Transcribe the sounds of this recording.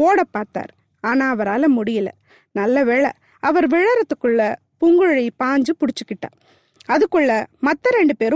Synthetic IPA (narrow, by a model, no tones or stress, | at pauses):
oːɽɐpːaːɾt̪a̰ːɾ | aːnaːɐʋɐɾaːlɐmʊɽɪjɐlɐ̰ | nɐlːɐʋeːɭɐ̰ | ɐʋɐɾʋɪɻɐɾɐt̪ːɯkːɯɭːɐ | pʊŋɡɯɻɐɪpaːɲd͡ʒɯpʊɽɪt͡ʃːɯkːɪʈːa̰ː | ɐðɯkːɯɭːɐmɐt̪ːɐɾɛɳɖɯpeːɾ